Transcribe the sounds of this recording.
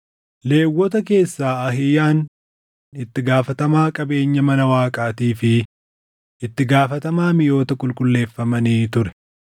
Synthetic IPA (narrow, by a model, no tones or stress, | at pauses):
le̞ːwːɔt̪ɐke̞ːsːaːɐɦɪjaːn | ɪt̪ːɪɡaːfɐt̪ɐmaːkʼɐbe̞ːɲːɐmɐnɐwaːkʼaːt̪iːfɪ | ɪt̪ːɪɡaːfɐt̪ɐmaːmɪjo̞ːt̪ɐkʊlkʼʊlːe̞ːfːɐmɐniːt̪ʊɾɛ̥